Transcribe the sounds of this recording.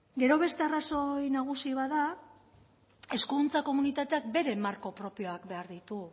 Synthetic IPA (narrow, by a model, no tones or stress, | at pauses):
ɡe̞ɾo̞βe̞st̪e̞araso̞jnaɣ̞usiβaða | e̞skunt͡sako̞munit̪at̪e̞ak̚be̞ɾe̞maɾko̞pɾo̞pio̞akbe̞aɾðit̪u